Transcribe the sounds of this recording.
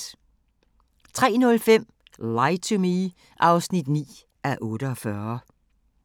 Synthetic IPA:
t͡sʰʁɛ̰ːnɔ̽lfem̰ | lɑ̈ɪt͡sʰumi | ʔɑ̈ʊsnid̥nḭː | ʔæɐʔɔ̽ːɾəɒfɶɐ

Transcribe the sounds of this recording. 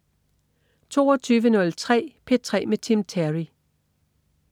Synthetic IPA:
t͡sʰo̝̰ːɒt͡sʰyːʋənɔ̽lt͡sʰʁɛ̰ːpʰe̝̥t͡sʰʁɛ̰ːmet͡sʰimt͡sʰæʁi

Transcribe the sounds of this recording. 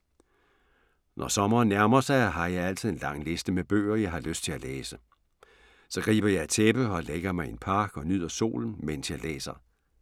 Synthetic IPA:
nʔɒsɒ̽mɐːnːæɐmɐsɑ̈ɪæɦɑ̈jɑ̈ɪæl̰t͡sʰiðˠe̝nlɑ̈ŋ̰le̝sd̥əmeb̥ø̰ːɐjɑ̈ɪɦɑ̈løsd̥t͡sʰe̝læleːsə | sɒ̽ɡ̥ʁḭːb̥ɐjɑ̈ɪæt͡sʰeb̥əɒ̽leɡ̥ɐmɑ̈ɪe̝npʰɑ̈ːɡ̥ɒ̽nyð̞̰ˠɐso̝̰ːln̩men̰sjɑlḛːsɐ

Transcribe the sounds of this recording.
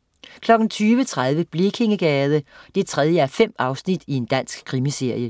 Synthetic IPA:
kʰlɒ̽ɡ̥n̩t͡sʰyːʋət͡sʰʁað̞ˠʋəb̥likʰe̝ŋɡ̥ɛːð̞ˠəd̥e̝t͡sʰʁɛð̞ˠjəæɐfem̰ɑ̈ʊsnid̥ie̝nd̥æn̰sɡ̥kʰʁimise̝ɐ̰jə

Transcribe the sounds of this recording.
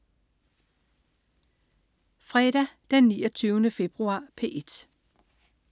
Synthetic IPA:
fʁɛd̥æd̥enniːɒt͡sʰyːʊnəfe̝b̥ʁuɑ̰̈ːpʰe̝̰ːʔe̝d̥

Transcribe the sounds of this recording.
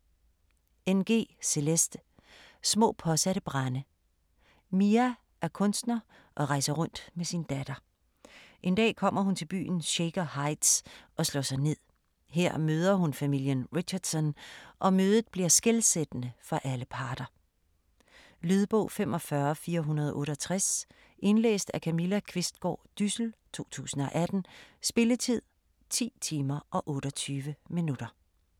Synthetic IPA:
enɡ̥e̝̰ːse̝lesd̥ | smɔ̰̽ːpʰɒ̽sæɾəb̥ʁɑnə | miæ | ʔæɐkʰɔ̽nsd̥nɐ | ʔɒ̽ʁɑ̈ɪsɐʁɔ̽n̰d̥mesinəd̥æd̥ɐ | ʔe̝nd̥ɛ̰ːkʰɒ̽m̰ɐhunt͡sʰe̝lb̥y̰ːn̩ɕeɡ̥ɐhɑ̈ɪd̥sʔɒ̽slɔ̰ːsɑ̈ɪne̝ð̞̰ˠ | ɦeɐ̰møːð̞ˠɐhunfæmil̰jənʁiɕɐd̥sɒ̽nʔɒ̽møːðˠð̩ˠb̥liɐsɡ̥elsed̥ənəfɒʔæləpʰɑ̈ːɾ̥ɐ | lyð̞ˠb̥ɔ̰ʊfemʔɒ̽fɶɐfiːɐɦunɐð̞ˠɒʔɔ̽ːɾəɒt͡sʰʁas | ʔe̝nlḛːsd̥ækʰæmilækʰʋe̝sd̥̚ɡ̥ɒ̰ːd̥ysl̩t͡sʰo̝̰ːt͡sʰṵːsn̩ɒ̽ʔæd̥n̩sb̥e̝lət͡sʰið̞̰ˠ | t͡sʰḭːt͡sʰiːmɐʔɒ̽ʔɔ̽ːɾ̥ɒt͡sʰyːʋəminud̥ɐ

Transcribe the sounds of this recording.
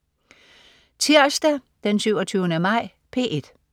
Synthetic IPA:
t͡sʰiɐ̰sd̥æ | d̥ensyʊ̰ɒt͡sʰyːʊnəmɑ̈ɪ̰ | pʰe̝̰ːʔe̝d̥

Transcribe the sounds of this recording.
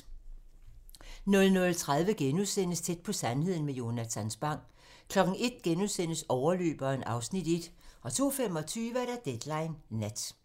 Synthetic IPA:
nɔ̽lnɔ̽lt͡sʰʁað̞ˠʋəɡ̥enuðˠsen̰əst͡sʰed̥̚pʰɒ̽sænhe̝ð̰ˠn̩mejo̝næt͡sʰænsb̥ɑ̈ŋ̰̥ | kʰlɒ̽ɡ̥n̩e̝d̥̚ɡ̥enuðˠsen̰əsɒʊɐlø̰ːb̥ɐe̝nʔɑ̈ʊsnid̥e̝d̥ʔɒ̽t͡sʰo̝̰ːfemɒ̽t͡sʰyːʋəæɾ̥æd̥ed̥lɑ̈ɪnːæd̥

